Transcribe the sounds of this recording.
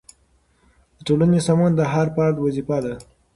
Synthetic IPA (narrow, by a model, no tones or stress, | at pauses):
d̪əʈolanesɑmɑnd̪əɦaɾpɑɾd̪wazifad̪a